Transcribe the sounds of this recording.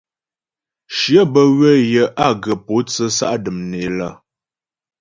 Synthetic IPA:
ʃjə˦bə˦ɣwə˦jə˨ʔa˦ɡə˨po˨˦t͡sə˦sa̰˦ʔdɨ˨mne˨lə˦˨

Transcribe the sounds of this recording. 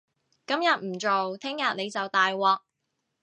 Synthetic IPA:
kɐ˥mjɐ˨t̚m̩˨˩t͡so˨wt̪ʰɪ˥ŋjɐ˨t̚ne˨˧jt͡sɐ˨wt̪aː˨jwɔː˨˩k̚

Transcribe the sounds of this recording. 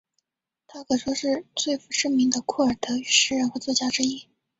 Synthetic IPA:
t̪ʰa˥kʰɤ˨˩ʂwɔ˥ʂɻ̩˥˧t͡swe˥˩ɪfu˧˥ʂə˥ŋmi˧˥ŋd̪ə˨kʰɔ˥˩ə˞˨˩t̪ʰɤ˧˥y˨˧˥ʂɻ̩˥˧ɻə˥˧nxə˧˥t͡swɔ˥˧t͡ɕja˥ʈ͡ʂɻ̩˥i˥˩

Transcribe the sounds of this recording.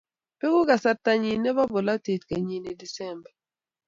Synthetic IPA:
pɛ˦ɡʊ˦ka˨sa˦tːa˦ɲi˨nɛ˦ba˦bo˨la˦te˨tka˨ɲi˨ni˨di˨sɛ˦˨mbɛ˨

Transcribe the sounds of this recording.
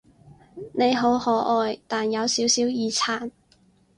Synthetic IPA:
ne˨˧jɦo˨˥whɔː˨˥ʔɔː˨˧jt̪aː˨˩njɐ˨˧wsiː˨˥wsiː˨˥wjiː˨˧t͡sʰaː˨˩n

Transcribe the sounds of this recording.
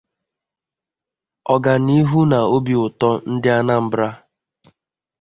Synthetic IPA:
ɔ˨ɡa˨ni˦ɦu˦na˨o˦bi˨ʊ˨tɔ˦n̩˦dɪ˦a˦na˦m̩˦bɾa˦

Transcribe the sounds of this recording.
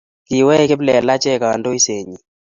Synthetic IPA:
ki˨wɛ˦ke˦plɛ˨la˦t͡ʃɛ˦˨ka˨wa˨ndo˦i˦se˨ɲi˨

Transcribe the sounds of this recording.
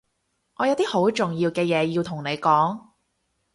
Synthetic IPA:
ŋɔː˨˧jɐ˨˧wt̪iː˥ho˨˥wt͡sʊ˨˩ŋjiː˧wkɛː˧jɛː˨˧jiː˧wt̪ʰʊ˨˩ŋne˨˧jkɔː˨˥ŋ

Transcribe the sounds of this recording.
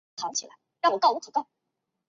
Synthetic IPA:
t̪ʰɑ˧˥ŋt͡ɕʰi˨˩a˧˦ɻŋwɔ˨˩k̪wu˥kʰɤ˨˩t̪ɑ˥˩

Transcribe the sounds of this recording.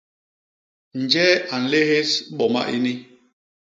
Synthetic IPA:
n̩˨d͡ʒɛ˦a˨n̩˨le˦he˦sɓɔ˨ma̰˦ʔi˦ni˦

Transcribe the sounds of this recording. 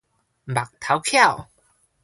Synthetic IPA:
ba˨k̚t̪ʰa˨˦wkʰja˥˨w

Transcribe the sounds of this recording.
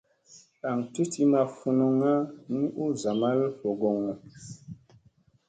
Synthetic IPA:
a˨ŋti˦ti˦ma˨fu˨no˨ŋa˦ni˦ʔu˦za˨ma˦lfo˨ɡɔ˨ŋɔ˨

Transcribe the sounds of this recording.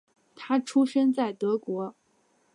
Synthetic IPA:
t̪ʰa˥ʈ͡ʂʰu˥ʂə˥nt͡sa˥˩ɪt̪ɤ˧˥kwɔ˧˥

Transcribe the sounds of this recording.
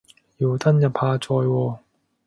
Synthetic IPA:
ji˨˩wt̪ɐ˥njɐ˨˩pʰaː˧t͡sɔː˧jwɔː˧

